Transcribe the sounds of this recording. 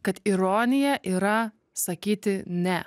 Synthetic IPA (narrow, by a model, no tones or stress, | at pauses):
kɐt̪iɾoːnʲɪjɛʔiːɾɐ | sɐkʲiːt̪ʲɪnʲɛ